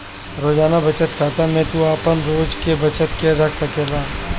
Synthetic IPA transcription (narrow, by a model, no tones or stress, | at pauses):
ɾoːd͡ʒaːnabɐt͡ʃət̪kʰaːt̪amẽt̪uaːpənɾoːd͡ʒkebɐt͡ʃət̪keɾɐkʰsɐkeːlaː